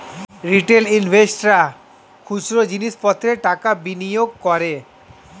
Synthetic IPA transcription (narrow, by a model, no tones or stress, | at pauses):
ɾiʈelinbʱesʈɾa | kʰuʃɾod͡ʑiniʃpɔt̪ʰːɾeʈakabinijoɡ̚kɔɾe